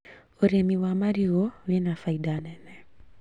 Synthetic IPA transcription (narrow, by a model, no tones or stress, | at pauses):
ɔɾɛmiwamaɾiɣɔwɛnafaiɗanɛnɛ